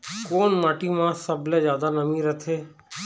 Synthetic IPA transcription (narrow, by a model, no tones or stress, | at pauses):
koːnmaːʈiːmãsəbleːd͡ʒjaːd̪anəmĩɾət̪ʰeː